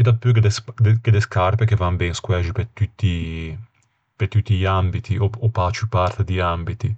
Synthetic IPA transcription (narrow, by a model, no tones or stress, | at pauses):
id̪apːuked̪esd̪eked̪eskaɾpekevambɛŋskwɛd͡ʒipɛt̪ut̪ːi | pɛt̪ut̪ːiʎiambit̪ʰiɔɔpat͡ʃupaɾt̪ed̪iambit̪i